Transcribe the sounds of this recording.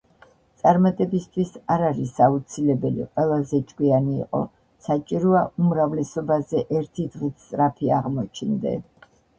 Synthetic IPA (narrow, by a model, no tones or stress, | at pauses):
t̪sʼaɾmat̪ʼɛbist̪ʰwisaɾaɾisaut̪sʰilɛbɛlḭqʼwɛlˠazɛd͡ʒʼɡwianḭːqʼɔ̰ | sat͡ʃʼiɾɔaumɾavlɛsɔbazɛʔɛɾt̪ʰid̪ʁit̪ʰt̪ʼɾapʰiaʁmɔt͡ʃʰnd̪ɛ̰